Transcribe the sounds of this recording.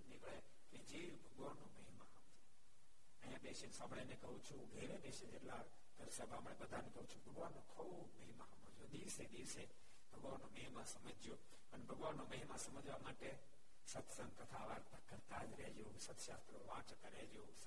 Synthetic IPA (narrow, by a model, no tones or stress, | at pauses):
nɪkɭe | kid͡ʒeːjbʱɐɠʋaːnːomɐɦimaɦamd͡ʒo | ə̃jãɓeːʃensãːbʱɽenẽkɐɦut͡ʃʰuɡʱeːɾeɓeːʃed͡ʒeɾlaːɽ | t̪əɾsəbãːmɽẽɓəd̪ʱanẽkɐɦũt͡ʃʰubʱɐɠʋaːnːokʰu | bmɐɦimaɦɐmod͡ʒoɗ̪iːʋseɗ̪iːʋse | bʱɐɠʋaːnːomɐɦimasɐməd͡ʒijoː | pənbʱɐɡʋaːnːoməɦimasɐməd͡ʒʋamaːʈe | sɐt̪ʰsə̃ŋɡkɐt̪ʰaːʋaːɾt̪əkːəɾt̪aːd͡ʒɾɛɦd͡ʒjoːsɐt̪ʰʃaːst̪ɾoʋãːt͡ʃk̪əɾɛːd͡ʒjoːs